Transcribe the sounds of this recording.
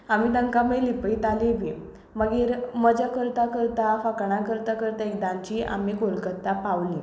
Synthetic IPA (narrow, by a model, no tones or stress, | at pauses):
amid̪əŋkaməlipəit̪alibi | məɡiːɾməd͡ʑakəɾt̪akəɾt̪afakɳakəɾt̪akəɾt̪aek̚d̪ãɲt͡ɕiːʔa̰mikolkət̪ːapaʋlĩ